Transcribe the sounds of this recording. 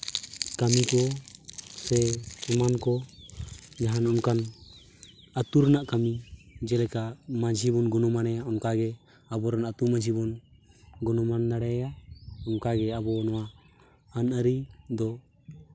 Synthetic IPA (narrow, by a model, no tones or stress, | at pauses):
kamikɔ | sɛɛmankɔ | d͡ʒaɦanɔnkan | ət̪uɾnaʔkamid͡ʒɛlɛkamad͡ʒʱibɔnɡɔnɔmanajaɔnkaɡɛ | abɔɾanat̪umad͡ʒʱibɔnɡɔnɔmand̪aɽɛjaɔnkaɡɛabɔnɔwa | ənəɾid̪ɔ